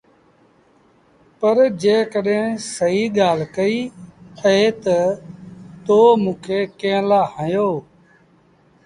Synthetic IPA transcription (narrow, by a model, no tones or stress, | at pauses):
pəɾd͡ʒeːkəɗẽːsəɦiːɠaːl̤kəiːəɦeːt̪ə | t̪oːmũːkʰeːkẽːlaːhə̃joː